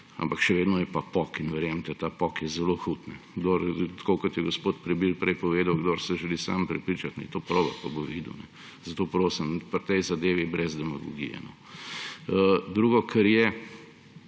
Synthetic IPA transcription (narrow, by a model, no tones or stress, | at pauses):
a̰mpakʃɛʋeːd̪nɔjɛpapɔkinʋɛɾjemt̪ɛt̪apɔkjɛzɛloxut̪nɛɡd̪oːɾt̪kokɔt̪jɛɡospoːt̪pɾɛbilpɾɛjpɔʋeːd̪awɡd̪oɾsɛʒɛlisa̰mpɾɛpɾiːt͡ʃat̪nɛ̰t̪opɾoːbɐ̰paboʋid̪ṵnɛ | z̥ɐt̪oːpɾoːsimpəɾt̪ɛjzad̪eːʋibɾɛzd̪ɛmaɡɔ̰ɡḭjɛ̰nɔ | əd̪ɾuːɡɔkʰɛɾjɛ